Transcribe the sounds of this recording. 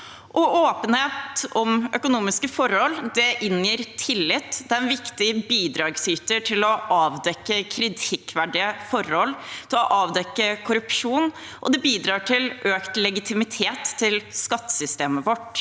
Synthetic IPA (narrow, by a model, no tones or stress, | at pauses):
ʔɔoːpənheːt̪ɔmœkʊnuːmɪskəfɔɾhɔlːd̪ɛʔɪnjiːɾt̪ʰɪlːɪt̪ːd̪ɛæɾɛnʋɪkt̪ɪbiːd̪ɾɑːɡsyːt̪əʈʰɪlɔʔɑːʋd̪ɛkːəkʰɾɪt̪ʰɪkːʋæɖɪəfɔɾhɔlːt̪ʰɪlɔʔɑːʋd̪ɛkːəkʰʊɾʉpʂuːn | ʔɔ̰d̪ɛbiːd̪ɾɑːʈʰɪlʔøːkt̪lɛɡɪt̪ʰɪmɪt̪ʰeːt̪ʰːɪlskɑt̪ːə̥sʏst̪eːməʋɔʈ